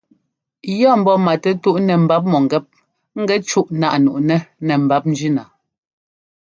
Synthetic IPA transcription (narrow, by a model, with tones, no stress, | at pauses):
jɔ˦˨m̩˦bɔ˦ma˨tɛ˦tu˦ʔnɛ˨m̩˨ba˦p̬̚mɔ˨ŋ˨ɡɛ˦p̚ | ŋ̩˦ɡɛ˦t͡ʃu˦ʔna̰˦˨ʔnṵ˨ʔnɛ˦nɛ˨m̩˨ba˨˦p̚n̩˦d͡ʒi˦na˨